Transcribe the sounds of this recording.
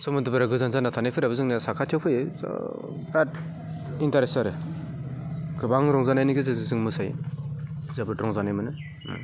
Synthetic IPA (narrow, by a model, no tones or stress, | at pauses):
sɔmɯdɯbɯɾaɡɯzanzanatʰanajpʰɯɾabɯzɯŋnasakʰatʰɯwpʰɯjɯ̰ | bɾat̚ | intaɾesaɾɯ | ɡɯbaŋɾɔŋzanajniɡɯzɯzɯzɯŋmɯsaj | zabɯtɾɔŋzanajmɯnɯ